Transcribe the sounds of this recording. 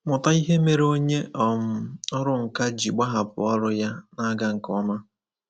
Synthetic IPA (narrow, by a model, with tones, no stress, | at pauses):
mʊ˨ta˦i˦ɦe˦me˨ɾo˦ɲe˦ʔɔ˨m̩˨˦ɔ˦ɾʊ˦ŋ̩˨ka˦d͡ʒi˨ɡ͡ba˦ɦa˨pʊ̰˨ɔ˦ɾʊ˦ja˦na˦ɡa˨ŋ̩˨kɔ˦ma˦